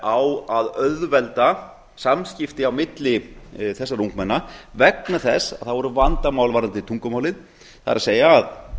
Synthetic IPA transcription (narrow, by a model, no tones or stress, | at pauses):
awaðœððvɛlt̪a | samscɪft̪ɪawmɪt̪lɪθɛsːaɾuŋkmɛnːavɛknaθɛsːað̥θaðvɔɾʏvant̪amaːwlvaːɾant̪ɪt̪ʰuŋkʏmaːwlɪn | θa̰ɪɾaseːjaːð